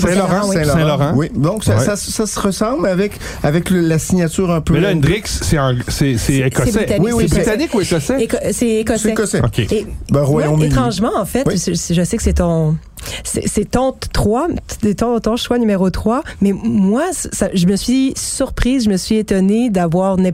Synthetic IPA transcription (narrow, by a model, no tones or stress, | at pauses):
sɔʁ̃wiɛ̃lɔɛ̃lɔʁɑ̃wid̪ɔ̃ksasasəsasəʁəsɑ̃blavɛk | avɛkləlasiɲat̪yːʁɛ̃pøɛlãnd̪ʁiksːɛɛ̃sɛsɛekɔsebɛit̪anwɪisebt̪anɪkuekɔsɛekɔsɛekɔsɛkɔsɛokʲeebɛ̃ʁwajɔ̃met̪χɑ̃ʒmɑ̃ɑ̃fɛtssʒəsɛkə̥sɛt̪ɔ̃ | sɛ̰sɛt̪ɑ̃t̪χwaɛt̪ɔ̃t̪ɔ̃ʃwanymeʁot̪χwamɛmwassaʒəməsɥisyʁpχiːzʒəməsɥiet̪ɔned̪avwaːʁnɛ